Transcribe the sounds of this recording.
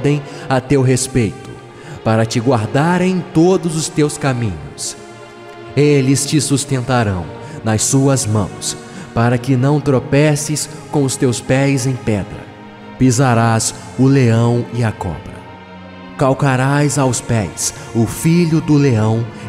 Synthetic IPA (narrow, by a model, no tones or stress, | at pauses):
d̪ẽj̃at̪ewɦespejt̪ʊ̥ | paɾɐt͡ʃɪɡwaɾd̪aɾẽj̃t̪od̪ʊzʊst̪ewskamĩɲʊs | elɪst͡ʃɪsust̪ẽnt̪aɾɐ̃w̃ | nɐsuɐzmɐ̰̃w̃s | paɾɐkɪnɐ̃w̃t̪ɾopɛsɪskõʊst̪ewspɛjzẽj̃pɛd̪ɾɐ̰ | pizaɾas | ʊleɐ̃w̃ɪɐkɔ̰̃bɾɐ̰ | kawkaɾajzawspɛjs | ʊfiʎʊd̪ʊleɐ̃w̃